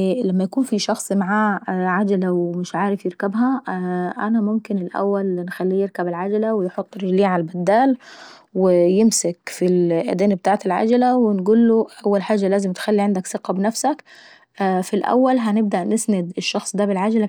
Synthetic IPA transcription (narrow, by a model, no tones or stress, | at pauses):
læmːæjakuːnfiʃɑxsˤmaʕaːʕad͡ʒalawmɪʃʕaːɾɪfjɪɾkæbɦæʔænæmʊmkɪnɪlʔæ̰wːælnxælːijeɾkabɪlʕad͡ʒalawɪjħot̪ˤːɾliːʕalbæd̪ːaːl | wɪjɪmsakfilʔæ̰d̪eːnb̚t̪aːʕt̪ɪlʕa̰d͡ʒalawɪnɡuːlːoʔawːælħaːd͡ʒːalæːzɪmt̪xælːiʕand̪æksɨqɑbnafsækː | filʔæ̰wːælɦænɪb̚d̪aʔnɪsnad̪ɪʃːɑxsˤd̪æbɪlʕad͡ʒala